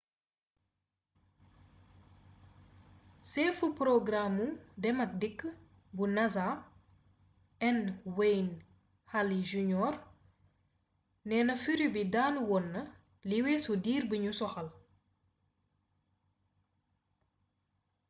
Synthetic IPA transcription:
sɛfupɾɔɡɾamːudɛmɐk̚dikː | bunɐza | ɛnwejn | haliʒuɲɔːr | nɛːnɐfiɾubidaːnwɔnːə | liwɛːsudiːrbəɲusɔxɐl

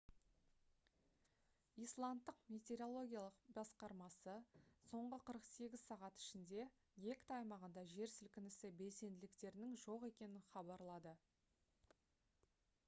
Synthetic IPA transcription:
ijslˠant̪ːəqmʲe̞t̪ʲe̞ɾo̞lˠo̞ɡʲijalˠəqbɑsqɑɾmɑsəso̞ɴʁəqʰəɾəqse̞ɡʲɪzsɑʁɑt̪ɪ̥ʃɪnd̪e̞ | je̞kʲt̪ɑjmɑʁənd̪ɑʒe̞ɾsɪlkʲɪnɪsɪbe̞lse̞nd̪ɪlɪk̚t̪e̞ɾɪnɪŋʒo̞qe̞kʲe̞nɪnχɑbɑɾlˠɑd̪ə

